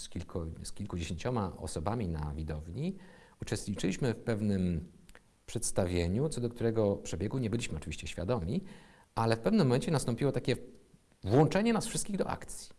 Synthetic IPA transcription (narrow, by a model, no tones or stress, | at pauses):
skʲilkɔskʲilkud͡ʑeɕeɲt͡ɕɔmaɔ̰sɔbamʲina̰vʲid̪ɔvɲi | ut͡ʂɛst̪ɲit͡ʂɘiɕmɘfpɛvnɘm | pʂɛt̪st̪avʲjeɲut̪sɔd̪ɔk̚t̪uɾɛɡɔpʂɛbʲjɛɡuɲɛbɘlʲiɕmɘɔt͡ʂɘvʲiɕt͡ɕɛɕfʲja̰d̪ɔmʲi | ʔalɛfpɛvnɘmːɔmɛɲt͡ɕɛnast̪ɔ̃mpʲiwɔt̪akʲɛ | vwɔ̃nt͡ʂɛɲɛnasfʂɘst̪̚kʲiɣd̪ɔʔa̰kt̪sʲji̥